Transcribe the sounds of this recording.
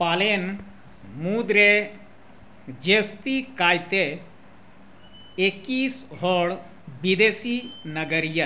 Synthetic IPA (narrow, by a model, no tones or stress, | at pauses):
paːlen | muːd̪ɾe | d͡ʒeːst̪ikaːjt̪e | ekːiːsɦɔːɽ | bid̪eːsinɐɡəɾija